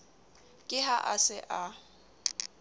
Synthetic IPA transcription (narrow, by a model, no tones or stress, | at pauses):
kʼɪɦaʔasɪʔa